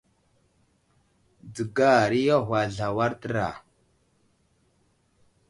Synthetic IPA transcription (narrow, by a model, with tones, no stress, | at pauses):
d͡zə˨ɡa˦˨ɾi˦ja˦ɦʷwa˨ɮa˨wa˦ɾtə˦ɾa̰˨